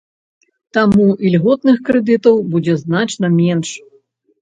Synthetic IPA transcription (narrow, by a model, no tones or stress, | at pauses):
t̪amuilʲɣɔt̪nɨxkɾɛd̪ɨt̪ɐwbud͡zʲɛznat͡ʂnɐmʲɛnʂ